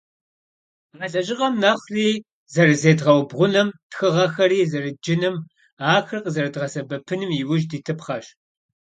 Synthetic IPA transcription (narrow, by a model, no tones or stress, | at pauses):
ʁɐɬʼɐʒɪqʼɐmnɐχriː | zɐɾɨzeːdʁɐwbʁʷʊnɐmtxɨʁɐxɐriːzɐrɨd͡ʒɪnɨm | aːxɨrqəzɐrɐdʁɐsɐbɐpʰɨnɨmjɪwʊʒdiːtʰɨpχɐɕ